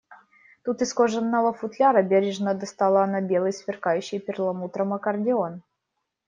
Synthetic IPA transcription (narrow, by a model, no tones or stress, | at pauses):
t̪ut̪ɨskoʐənːəlˠəfʊt̪lʲaɾəbʲeɾʲɪʐnəd̪ɐst̪ɑlˠəɐnabʲelˠɨjsfʲɪrkajʉɕːɪjpʲɪrlˠɐmut̪ɾəməkərdʲɪon